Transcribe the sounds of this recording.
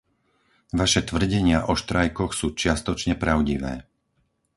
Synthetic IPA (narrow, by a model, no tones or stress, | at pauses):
ʋaʃɛt̪ʋr̩ɟɛɲɪaʔɔʃt̪ɾajkɔxsuːt͡ʃɪast̪ɔt͡ʃɲɛpɾaʊɟiʋɛ̰ː